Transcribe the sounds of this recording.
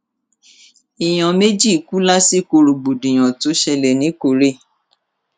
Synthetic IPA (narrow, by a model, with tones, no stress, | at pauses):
i˨j̃ã˨me˦d͡ʒi˦˨ku˦la˦si˦ko˧ɾo˨ɡ͡bo˨dĩ˨j̃ã˨to˨˦ʃɛ˧lɛ˨nĩ˨˦ko˨ɾe˦˨